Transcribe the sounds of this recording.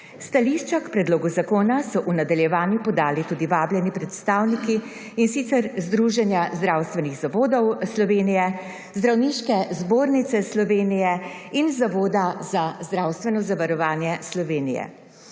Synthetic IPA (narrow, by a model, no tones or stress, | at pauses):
st̪aliʃt͡ʃakpɾɛd̪loːɡuzakoːnasɔʔunad̪aljɛʋaːnjupɔd̪aːlit̪uːd̪iʋaːbljɛnipɾɛt̪st̪aːwnikiː | nsit̪sɛɾzd̪ɾuːʒɛnjazd̪ɾawst̪ʋɛniɣzaʋoːd̪ɔwslɔʋeːnijɛ | zd̪ɾawniʃkɛzboːɾnit̪sɛslɔʋeːnijɛ | inzaʋoːd̪azazd̪ɾawst̪ʋɛnɔzaʋaɾɔʋaːnjɛslɔʋeːnḭjɛ̰